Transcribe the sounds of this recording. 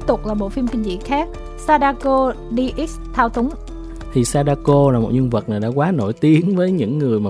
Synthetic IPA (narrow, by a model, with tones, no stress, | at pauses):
p̚t̪ʊ˨˩k͡p̚laː˨˩ɓo̰˧˨˩fi˧mkï˧ŋzḭ˧˥xaː˦˥k̚ | saː˧ɗaː˧ko˧ | ɗi˧ʔi˦˥s | t̪ʰaː˧wt̪ʊ˨˦ŋ͡m | t̪ʰi˨˩saː˧ɗaː˧ko˧laː˨˩mo˨˩t̚ɲɨ˧ŋvə˨˩t̚naː˨˩jɗa̰ː˧˥kwaː˨˦no̰˧˩jt̪i˨˦ənvəː˨˦jɲɨ̰˧˥ŋːɨ˨˩əjmaː˨